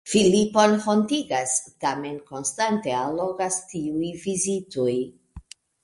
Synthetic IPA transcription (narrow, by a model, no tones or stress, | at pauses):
filipo̞nfo̞ntiɡastame̞nko̞nstante̞alo̞ɡastiujvizitoj